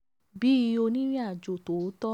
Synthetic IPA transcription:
bi˨˦o˧nĩ˦ɾ̃ĩ˦a˦˨d͡ʒo˨to˨˦tɔ˦

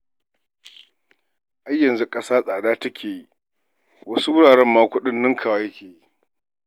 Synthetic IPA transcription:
ʔa˦jːɐ˨nzu˦kʼɐ˦saː˦sʼaː˨ɗaː˦tɐ˦kʲʰeː˨ji˦ | wɐ˦su˦wʊ˦ɽaː˨ɽɛ˦mːaː˦kʷʊ˦ɗɪ˦nːɪ˦ŋkʰaː˨waː˦jɐ˦kʲʰeː˨ji˦

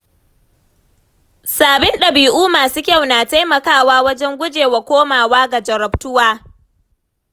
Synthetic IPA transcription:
saː˨bɪ˦nɗɐ˨biː˨ʔuː˦maː˨suː˦kʲɐ˦˨wnaː˨ta˦jmɐ˨kaː˦˨waː˦wɐ˦d͡ʒɛ˦ŋɡʷʊ˦d͡ʒeː˨wa˨kʷoː˦maː˨waː˦ɡa˨d͡ʒɐ˨ɾɐ˨btʊ˦waː˦

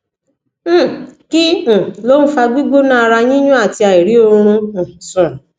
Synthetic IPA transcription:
kĩ˦˨lo˦ũ˦fa˧ɡ͡bi˦ɡo˦nã˦a˧ɾa˧j̃ĩ˦jũ˦a˦˨ti˧a˨i˨ɾi˨˦o˧ɾ̃ũ˧˨sũ˨

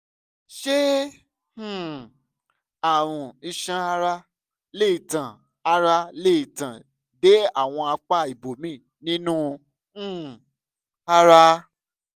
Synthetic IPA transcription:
ʃẽ˦˨ | a˨w̃ũ˨i˧ʃã˧˦a˧ɾa˧˦ | le˦i˨tã˨ | a˧ɾa˧le˦i˨tã˨ | de˨˦a˦˨w̃ɔ̃˧a˧k͡pa˦˨i˨bo˨mĩː˦˨ | nĩ˦nũ˦˨ | a˧ɾa˧

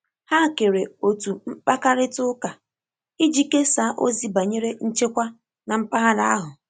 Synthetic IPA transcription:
ha˦˨ke˨ɾe˨o˨tu˨m̩˦pa˦ka˦ɾɪ˦tʊ˦ka˨ | i˦d͡ʒi˦ke˦sa˦ʔo˦zi˦ba˨ɲe˦ɾe˦n̩˦t͡ʃe˦kʷa˦ | na˨m̩˦pa˦ɦa˦da˦a˦ɦʊ˨

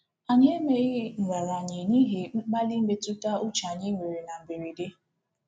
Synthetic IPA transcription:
a˨ɲe˦e˦me˦ɣɪ˦ŋ̩˨ŋʷa˨ɾa˨ɲɪ˨ni˦ɦe˨m̩˦ɡ͡ba˦li˦m̩˦me˦tʊ˦ta˦ʊ˦t͡ʃa˨ɲɪ˦ŋʷe˨ɾe˨na˨m̩˨be˨ɾi˨de˦

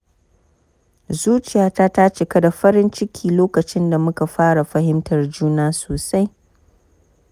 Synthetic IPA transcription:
zuː˦t͡ʃɪ˨jaː˨˦taː˦ta˦t͡ʃe˨ka˦da˨ɸɐ˦ɾɪ˦nt͡ʃɪ˦kʲʰiː˨loː˦kɐ˨t͡ʃɪ˦nda˨mʊ˦ka˨ɸaː˦ɽa˨ɸɐ˦hɪ˦mtɐ˨rd͡ʒuː˦naː˦soː˨sa˦j

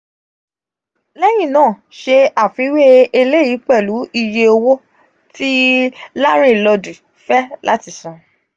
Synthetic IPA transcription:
lɛ˦j̃ĩ˦˨nãː˦˨ | ʃe˧a˨fi˨˦we˦e˧le˦ji˨˦k͡pɛ˦˨lu˨˦ʔi˧je˧o˧wo˦ | ti˦la˦ɾ̃ĩ˦˨lɔ˧du˨ | fɛ˦la̰˦ti˧˦sã˨

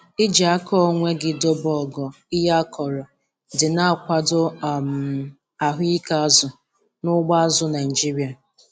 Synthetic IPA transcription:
ɪ˦d͡ʒa˦kʰɔ˦ŋʷe˦ɡɪ˨dɔ˦bɔ˦˨ɡɔ˨ | ɪ˦ja˦kʰɔ˨ɾɔ˨ | dɪ˨na˦a˨kʷa˨dʊ˦˨m̩˨ | a˨ɦʊ˦i˦ka˦a˦zʊ˨ | nʊ˦ɡ͡ba˦zʊ˦na˨i˨d͡ʒi˦ɾi˨˦a˨

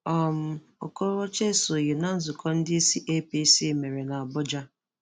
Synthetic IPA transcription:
ɔ˨m̩˨ | o˨ko˦ɾwɔ˦t͡ʃe˦so˨ɣɪ˨na˦n̩˦zʊ˨kʰɔ˦n̩˦dɪ˦i˦si˦ʔe˦pi˦si˦˨me˨ɾe˨na˨a˨bʊ˦d͡ʒa˦

